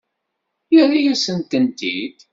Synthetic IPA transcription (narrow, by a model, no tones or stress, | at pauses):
jəɾijæsənt̪ənt̪id̪